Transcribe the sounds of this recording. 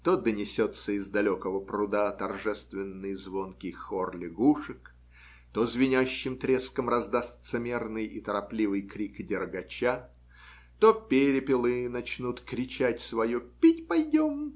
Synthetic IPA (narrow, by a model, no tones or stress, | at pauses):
t̪od̪ənʲɪsʲot̪səɪzd̪ɐlʲokəvəpɾʊd̪at̪ɐrʐɛst̪vʲɪnːɨjəzvonkʲɪxorlʲɪɡuʂɨk | t̪ozvʲɪnʲaɕːɪmt̪ɾʲeskəmrɐzd̪ast̪səmʲe̞rnɨjɪt̪əɾɐplʲivɨjkɾʲikdʲɪrɡɐt͡ɕa | t̪opʲeɾʲɪpʲɪlˠɨnɐt͡ɕnut̪kɾʲɪt͡ɕætʲsvɐjupʲitʲpɐjdʲom